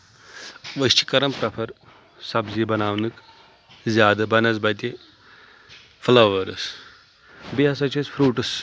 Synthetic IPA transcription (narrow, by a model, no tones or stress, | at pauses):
ʋəst͡ʃi̥kɐɾɐmpɾɐpʰɐɾ | sɐbzibɐnaːʋnɨk | zʲjaːd̪ɐbɐnɐzbɐt̪i | flɐʋʋɐɾɨs | biɐsɐt͡ʃʰɐsfʰɾuːʈɨs